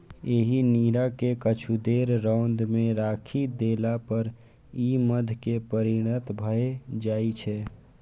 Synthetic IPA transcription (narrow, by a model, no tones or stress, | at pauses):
eːɦiniːɾakekət͡ʃʰud̪eɾɾãʊnd̪mẽɾakʰid̪elapəɾ | iməd̪ʱkepəɾiɽ̃ət̪bʱəed͡ʒaːit͡ʃʰɛ